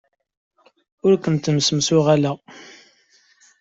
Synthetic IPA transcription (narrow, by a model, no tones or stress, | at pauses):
ʊɾkʷənt̪əmsəmsʊʁælæ